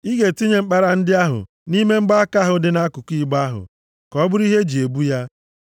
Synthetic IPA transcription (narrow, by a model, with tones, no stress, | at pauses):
i˦ɡe˨ti˦ɲe˨ŋ͡m̩˦k͡pa˦ɾa˨n̩˦dɪ˦a˦ɦʊ̰˨ | ni˦me˦ŋ͡m̩˦ɡ͡ba˦ka˦ɦʊ˨dɪ˦na˦kʊ˨kʷi˦ɡ͡ba˦ɦʊ̰˨ | kɔ˦bʊ˦ɾi˦ɦe˦d͡ʒi˨e˨bu˦ja˦